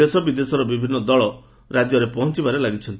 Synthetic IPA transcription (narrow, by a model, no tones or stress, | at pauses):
esɔbid̪esɔɾɔbibʱinːɔd̪ɔɭɔ | ɾad͡ʒjɔɾepɔɦɔ̃nt͡ʃibaɾelaɡit͡ʃʰɔnt̪i